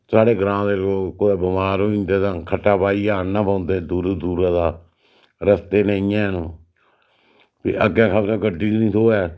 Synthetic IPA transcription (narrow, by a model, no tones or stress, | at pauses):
saːɽeːɡəɾãːd̪eːloːɡkoeːbəmaːɾõːĩːnd̪eːt̪ãːkʰəʈːaːpaːiːaːnãːpãːnd̪eːd̪uːɾd̪uːɾãːd̪aː | ɾəst̪eːnẽːiːjãːnõː | pʰḛʔəɡãːkʰabɾãːɡəɖiːnĩːt̪ʰoːɛː